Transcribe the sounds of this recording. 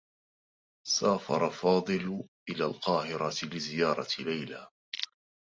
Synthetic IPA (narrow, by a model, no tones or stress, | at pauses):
saːfɑ̰ɾˤɑfɑːd̪ˤɨlʔɪlaːlqɑːhɪɾˤɑtlɪzɪjɑːɾˤɑlajlaː